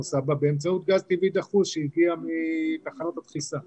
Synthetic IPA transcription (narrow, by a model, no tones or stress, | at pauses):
usababeemt͡saut̪̚ɡazt̪ivid̪aχusʃeiɡiamit̪aχanot̪at̪χisa